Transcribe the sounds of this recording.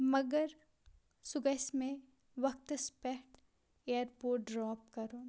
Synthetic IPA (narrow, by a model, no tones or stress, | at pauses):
mɐɡəɾ | sʊɡəsmẽ | ʋɐk̚t̪spɛʈ | eəɾpoːɾʈ̚ɖɾɔːpkɐɾõː